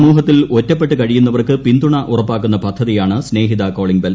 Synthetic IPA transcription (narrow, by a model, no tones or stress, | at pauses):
muːɦɐt̪ːilotːɐpːe̞ʈːɨkɐɻijunːɐʋɐrkɨpind̪uɳɐʔurɐpːaːkːunːɐpɐd̪ʱːɐðijaːɳɨsne̞ːɦiðɐko̞ːɭiŋbɐl